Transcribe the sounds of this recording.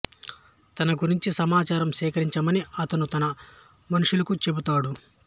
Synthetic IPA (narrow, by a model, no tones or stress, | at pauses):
t̪ɐnɐɡuɾiɲt͡ʃisɐmaːt͡ʃaːɾɐmsɛːkɐɾiɲt͡ʃɐmɐniɐt̪ɐnut̪ɐnɐ | mɐnuʂulɐkut͡ʃe̞but̪aːɽu